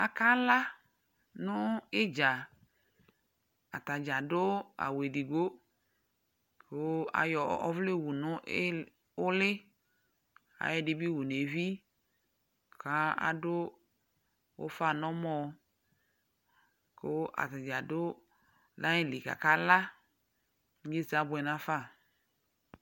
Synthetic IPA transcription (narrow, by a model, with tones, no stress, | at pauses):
a˨ka˦la˦ | nʊ˦ɪ˦d͡ʒa˨ | a˨ta˨d͡ʒa˨dʊ˦a̰˨we˨di˨ɡo˦ | ko˦a̰˨jɔ˨ɔ˦vle˦˨wu˨nʊ˦ | ʊ˦lɪ˦ | a̰˨jɛ˦dɪ˨˦bi˦wu˨ne˨vi˦ | kʰa˦a̰˦dʊ˦ | ʊ̰˦fa˦˨nɔ˦mɔ˨ | ko˦ʔa̰˨ta˨d͡ʒa˨dʊ˦ | la˦ɪ˦li˨ka̰˨ka˦la˦ | je˦˨sa˨˦bʊ˨ɛ˨na˦fa˦˨